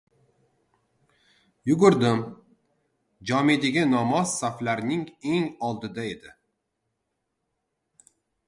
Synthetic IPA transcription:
jʊɡʊɾd̪ɪm | d͡ʒɒmed̪ɪɡʲɪnɒmɒz̥saflaɾnɪŋe̞ŋɒlˠd̪ɪd̪ae̞d̪ɪ

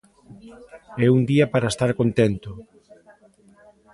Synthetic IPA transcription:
ɛund̪iɐpaɾaest̪aɾkont̪ɛnt̪ʊ

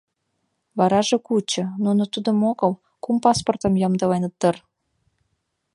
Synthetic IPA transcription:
βɑɾɑʒekut͡ɕɤ̆nunot̪ud̪ə̆moɣɤ̆l | kumpɑsport̪ə̆mjɑmd̪əlɑjnət̪ːər

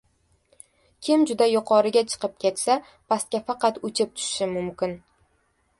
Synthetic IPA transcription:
kʲʰɪmd͡ʒʊd̪ajʊqʰɒɾɪɡʲat͡ʃʰɨ̥qʰɨp̚kʲʰe̞t̪sa | pʰast̪̚kʲafɑqɑt̪ʊt͡ʃʰɪp̚t̪ʰʊ̥ʃɪʃɪmʊmkʲɪn

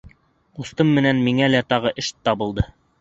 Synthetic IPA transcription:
ust̪ɤmːɘ̆nænmiŋælæt̪ɑʁɤʔɘʃt̪ɑbɤ̆lˠd̪ɤ

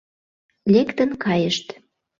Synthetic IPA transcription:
lekt̪ə̆nkɑjəʃt̪

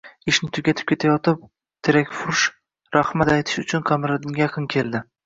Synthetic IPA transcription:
ɪʃnɪt̪ʰʊɡʲat̪ʰɪ̥p̚kʲe̞t̪ʰajɒt̪ɪp̚ | t̪ʰeɾakʲfʊɾʃ | ɾaχmat̪ajt̪ʰɪ̥ʃʊt͡ʃʰʊnqʰɑmɾad̪ɪŋʲajaɑqʰɨnkʲʰelˠd̪ɪ

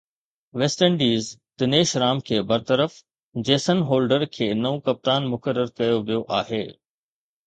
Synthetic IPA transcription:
ʋeːsʈəɳɖiːzt̪ɪneːʃɾaːmkʰeːbɐɾt̪əɾəf | d͡ʑeːsənɦoːlɖəɾkʰeːnɐũkɐp̚t̪aːnmʊkəɾːəɾkɐjoʋijoʔaːɦeː

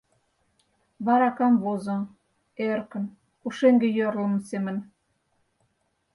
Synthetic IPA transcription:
βɑɾɑkɑmβozŏ | erkə̆n | uʃeŋɡĕjørlə̆msemə̆n

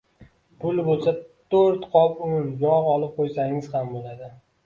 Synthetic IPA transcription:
pʰʊlˠbolˠsat̪ʰoɾt̪qʰɒpʊʊnjɒʁɒlˠɪp̚qʰojsaŋɪz̥hambolad̪ɪ

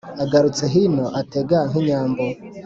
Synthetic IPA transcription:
aɡaɾut͡se̞ɦinoʔate̞ɡaŋɦiɲaːmbo

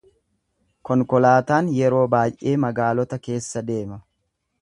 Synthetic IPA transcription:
kɔŋkɔlaːt̪aːnjɛɾo̞ːbaːjʔeːmɐɡaːlɔt̪ɐke̞ːsːɐd̪e̞ːmɐ

